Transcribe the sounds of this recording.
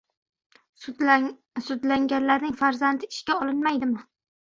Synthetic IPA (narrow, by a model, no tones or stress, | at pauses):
sʊd̪laŋɡʲanlaɾnɪŋfaɾzand̪ɪɪʃkʲaɒlɪnmajd̪ɪmɪ